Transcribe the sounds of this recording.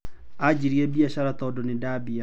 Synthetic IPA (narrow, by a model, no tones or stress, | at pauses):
ad͡ʑiɾiɛbiaɕaɾat̪ɔdɔnedaːbia